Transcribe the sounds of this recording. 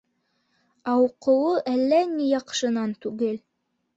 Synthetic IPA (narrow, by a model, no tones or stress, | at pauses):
ɑwqɤ̆wɤʔælːænijɑqʃɤ̆nɑnt̪ʉɡɘl